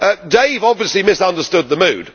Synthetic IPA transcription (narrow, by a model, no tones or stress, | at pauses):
ʌdeɪvɒbviəslimɪsʌ̃ndəstʊd̪̚ðəmʉ̰ːd̥